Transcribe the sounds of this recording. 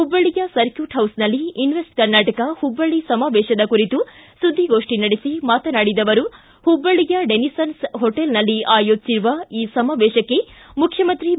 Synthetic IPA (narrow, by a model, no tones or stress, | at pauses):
hubːɐɭijɐsɐɾkjuːʈɦɐwsnɐlːiinʋesʈ̚kɐɾnaːʈɐkɐhubːɐɭisɐmaːʋɛːʃɐd̪ɐkuɾit̪usud̪ʱːiɡo̞ːʂʈinɐɽisimaːt̪ɐnaːɽid̪ɐʋɐɾu | hubːɐɭijɐɖenisɐnsɦoʈelnɐlːiʔaːjoːd͡ʒsiɾuʋɐiːsɐmaːʋɛːʃɐkːe̞mukʰjɐmɐnt̪ɾi